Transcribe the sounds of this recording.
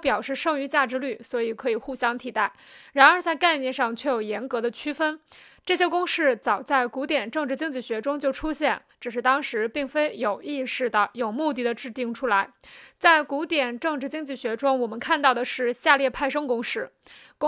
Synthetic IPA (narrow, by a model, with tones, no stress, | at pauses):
pjɑ˨˩ʊʂɻ̩˥˧ʂɤ˥˩ŋy˧˥t͡ɕja˥˩ʈ͡ʂɻ̩˧˥ly˥˩swɔ˧˥i˨˩kʰɤ˧˥i˨˩xu˥˩ɕjɑ˥ŋt̪ʰi˨˩t̪a˥˩ɪɻa˧˥nə˞˧˥t͡sa˥˧ɪka˥˧ɪnjɛ˥˧nʂɑ˥˧ŋt͡ɕʰɥɛ˥˩jo˨˩ʊjɛ˧˥nkɤ˧˥d̪ə˧t͡ɕʰy˥fə˥nʈ͡ʂɤ˥˩ɕ̬jɛ˥kʊ˥ŋʂɻ̩˥˩t͡sɑ˨˩ʊt͡sa˥˩ɪku˧˥t̪jɛ˨˩nʈ͡ʂɤ˥˧ŋʈ͡ʂɻ̩˥˧t͡ɕi˥ŋt͡ɕi˥˩ɕɥɛ˧˥ʈ͡ʂʊ˥ŋt͡ɕjo˥˩ʊʈ͡ʂʰu˥ɕjɛ˥˩nʈ͡ʂɻ̩˨˩ʂ̬ɻ̩˥˧t̪ɑ˥ŋʂɻ̩˧˥pi˥˩ŋfe˥ɪjo˨˩ʊi˥˧ʂɻ̩˥˩d̪ə˩jo˨˩ʊmu˥˧t̪̬i˥˩d̪ə˩ʈ͡ʂɻ̩˥˧t̪i˥˩ŋʈ͡ʂʰu˥la˧˥ɪt͡sa˥˩ɪku˧˥t̪jɛ˨˩nʈ͡ʂɤ˥˧ŋʈ͡ʂɻ̩˥˩t͡ɕi˥ŋt͡ɕi˥˩ɕɥɛ˧˥ʈ͡ʂʊ˥ŋwɔ˨˩mə˦nkʰa˥˧nt̪ɑ˥˩ʊd̪ə˩ʂɻ̩˥˧ɕja˥˧ljɛ˥˧pʰa˥˩ɪʂ̬ɤ˥ŋkʊ˥ŋʂɻ̩˥˩˥